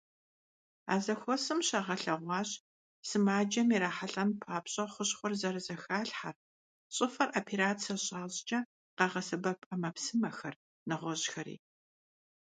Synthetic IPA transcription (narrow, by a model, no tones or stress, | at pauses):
a̰ːzɐxʷɔsɨmɕaʁɐɬɐʁʷɑːɕ | sɨmaːd͡ʒɐmiɾaːħaɬʼɐmpʰaːpɕʼɐχʷʊɕχʷʊrzɐrɨzɐxaːɬħar | ɕʼɨfɐrʔapʰeɾaːt͡sʰɐɕʼaːʑd͡ʒɐ | qɑʁɐsɨbɐpʰʼɐmɐpsɨmɐxɐr | nɨʁʷɔʑxɐɾḭː